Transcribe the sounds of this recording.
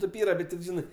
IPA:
ˈtʲeːp ˈiːrɐ ˈbʲɛt tʲɪp ˈʒʲɪnɜ

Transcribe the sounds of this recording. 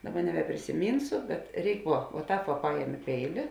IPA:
ˈdɑːˌbɐ nʲɛbʲɛpʲrʲɪsʲɪˈmʲiːnsʊ bʲɛt ˈrʲɛɪk ˈʋuɔ ʋuɔ ˈtɑːp ʋɐ ˈpɑːjɛmʲɪ ˈpʲɛɪlʲɪ

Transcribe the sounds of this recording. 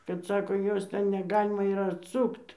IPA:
kɐt ˈsɑːkoː ˈjoːs ˈtʲɛn nʲɛˈɡɑːlʲɪmɐ ɪr ɐtˈsʊkt

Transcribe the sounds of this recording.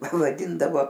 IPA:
ʋɐˈdʲɪndɐʋoː

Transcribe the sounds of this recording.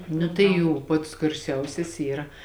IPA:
ˈnʊ tɐɪ ˈjuː ˈpɐts ɡɐrʲˈsʲɛʊsʲɛs ˈiːrɐ

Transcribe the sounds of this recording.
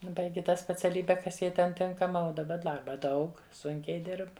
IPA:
ˈbɐɪɡʲɪ ˈtɑː sʲpʲɛt͡sʲɛˈlʲiːbʲɛ ˈkɐs ˈjɛɪ ˈtʲɛn ˈtʲɪŋkɐmɐ uɔ dɐˈbɐ ˈdɐrbɐ ˈdɐʊk ˈsʊŋʲkʲɛɪ ˈdʲɪrp

